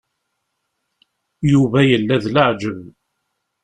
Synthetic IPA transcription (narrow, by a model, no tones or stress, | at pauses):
juvæjəlːæðləʕd͡ʒəv